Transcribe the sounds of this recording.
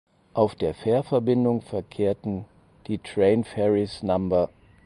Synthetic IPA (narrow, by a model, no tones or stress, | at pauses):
ʔaʊfd̥eːɐfeːɐfɛɐbɪndʊŋfɛɐkʰeːɐtn̩ | d̥iːtʁ̥ɛɪnfɛʁɪsnambɐ